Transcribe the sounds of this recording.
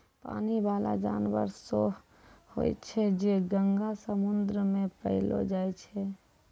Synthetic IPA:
pa̰ːnibaːla̰d͡ʒa̰ːnbə̰ɾso | ho̰ɛ̰t͡ʃʰɛd͡ʒeɡəŋɡasəmʊnd̪ɾəmẽpə̰ɦɪlo̰d͡ʒaːjt͡ʃʰɛ

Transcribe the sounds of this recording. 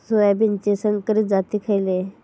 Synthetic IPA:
soabint͡ɕesəŋkəɾiːt̪d͡zat̪iːkʰajle

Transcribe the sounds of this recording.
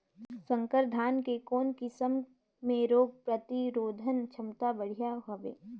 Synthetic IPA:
sə̃ŋkəɾd̪ʱaːnkekoːnkɪsəmː | ẽɾoːɡ̚pɾɐt̪iɾoːd̪ʱənt͡ʃʰɐmt̪abɐɽ̤ijaɦoʋḛː

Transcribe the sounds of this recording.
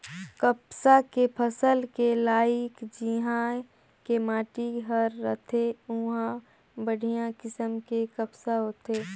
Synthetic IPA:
kəpsakepʰəsəlkelaːɪkd͡ʒiɦã | kemaːʈiɦəɾːət̪ʰeʊɦã | bəɽ̤ʱijãkɪsəmkekəpsaɦoːt̪eː

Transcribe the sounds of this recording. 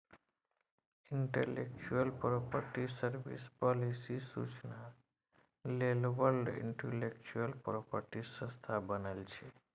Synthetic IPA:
iɳʈḛlḛk̚t͡ʃuəlpɾopəɾʈisəɾbḭspɔlisisṵt͡ʃna | lelbəlɖḭɳʈelek̚t͡ʃuəlpɾopəɾʈisə̃st̪ʰabənəlt͡ʃʰe

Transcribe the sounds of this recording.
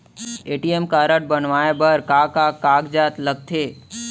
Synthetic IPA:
eːʈiemkaːɾəʈ̚bənʋaːebəɾkaːkaːkaːɡd͡ʒaːt̪ləɡ̚t̪ʰeː

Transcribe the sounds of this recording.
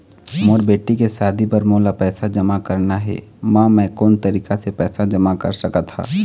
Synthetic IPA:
moːɾbeːʈikesaːd̪ʱipɐɾmoːlapɛːsad͡ʒɐmakɐɾnaɦɛ̰ː | mãːmɛ̃ːkoːnt̪ɐɾiːkasepɛːsad͡ʒɐmakɐ̰ɾsɐkat̪ʰha̰ː

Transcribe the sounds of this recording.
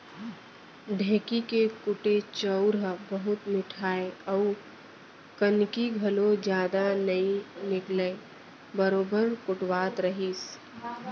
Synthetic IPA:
ɖʱẽːkikekʊʈet͡ʃəʊɾbəɦʊt̪mɪʈʰaːeɐʊ | kɐnkiɡʱɐlõd͡ʒjaːd̪anɐinɪklə | bəɾoːbəɾkʊʈwaːt̪ɾɐɦiːs

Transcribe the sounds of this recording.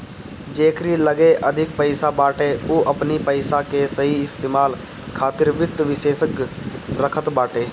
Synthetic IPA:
d͡ʒeːkɾiləɡeʔəd̪ʱɪkpəɪsabaːʈeoːʔəpnipəɪsakesəɦiɪst̪eːmaːl | kʰaːt̪ɪɾʋɪt̪ʋɪʃeːʃəkɾəkʰət̪baːʈeː

